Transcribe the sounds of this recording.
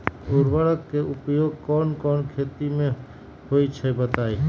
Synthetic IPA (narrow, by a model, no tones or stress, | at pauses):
ʊɾʋəɽəkːeʔʊpjoːɡ̚kɔːnkɔːnkʰeːt̪imẽ | hoːit͡ʃʰɛbət̪aːi